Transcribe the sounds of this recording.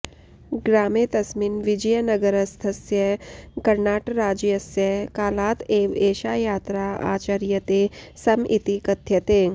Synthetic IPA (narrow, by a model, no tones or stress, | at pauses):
ɡɾaːmet̪ɐsminʋɪd͡ʒɐjɐnɐɡəɾɐst̪ʰɐsjɐkɐɾnaːʈɾaːd͡ʒjɐsjɐkaːlaːt̪eːʋeːʃaːjaːt̪ɾaːa̰ːt͡ʃaɾjɐt̪esɐmḭt̪ikɐt̪ʰjɐt̪eː